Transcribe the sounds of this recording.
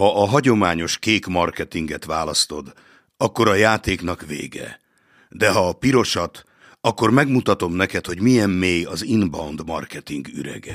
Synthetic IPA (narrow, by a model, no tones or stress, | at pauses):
hɒʔːɦɒɟo̞maːɲo̞ʃkeːkmɒrkɛt̪iŋɡɛt̪ʋaːlɒst̪o̞d̪ | ɒkːo̞ɾɒjaːt̪eːkn̪ɒkʋḛːɡɛ̰ | d̪ɛɦɒːpiɾo̞ʃɒt̪ | ɒkːo̞rmɛɡmut̪ɒt̪o̞mnɛkɛt̪ho̞ɟmijɛmːeːjɒzinbɒnd̪mɒ̰rkɛt̪iŋɡy̰ɾɛ̰ɡɛ